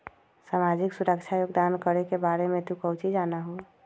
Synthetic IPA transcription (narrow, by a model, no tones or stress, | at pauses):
samad͡ʒɪksuɾəkt͡ʃʰajoɡd̪ankəɾekebaɾemẽt̪ũkət͡ʃid͡ʒanaɦo